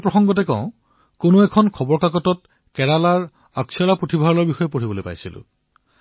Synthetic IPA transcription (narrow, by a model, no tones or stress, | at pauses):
pɹɔxɔŋɡɔtɛkɔ̰̃ʊ̃ | konoɛkʰɔnkʰɔbɔɹkakɔtɔt | kɛɹalaɹ | aksɔlapɹotʰibʱaɹɔlɔɹbixɔjɛpoɹibɔlojpa̰jsilʊ̰